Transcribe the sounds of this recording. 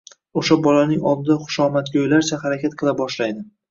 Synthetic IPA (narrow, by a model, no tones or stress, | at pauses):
oʃabɒlanɪŋɒ̰lˠd̪ɪd̪aχʊ̥ʃɒmat̪̚ɡʲojlaɾt͡ʃʰahaɾakʲat̪̚qʰɨlˠabɒʃlajd̪ɪ